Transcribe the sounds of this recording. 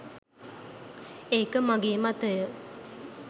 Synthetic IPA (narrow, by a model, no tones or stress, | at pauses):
eːkəmaɡeːmat̪əjə